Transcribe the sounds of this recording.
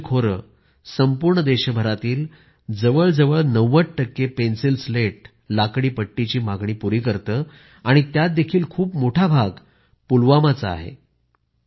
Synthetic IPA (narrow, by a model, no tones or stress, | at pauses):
kʰoɾə̰ | səmpuɾɳəd̪eɕəbʱəɾat̪iːl | d͡zəʋəɭd͡zəʋəɭnəʋːət̚ʈəkːepensilsleʈ̚ | lakɽiːpəʈːit͡ɕiːmaɡɳiːpuɾiːkəɾt̪əː | aɽ̃it̪jat̪̚d̪ekʰiːlkʰuːpmoʈʰabʱaɡ | pulʋamat͡saa̰ɦḛ